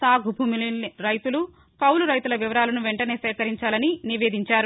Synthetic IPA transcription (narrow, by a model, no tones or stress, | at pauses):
saːɡʱubʱuːmilɾɐjt̪ulu | kɐwluɾɐjt̪ulɐʋiʋɐɾaːlɐnuʋeɳʈɐne̞ːsɛːkɐɾiɲt͡ʃaːlɐniniʋeːd̪ʱiɲt͡ʃaːɾu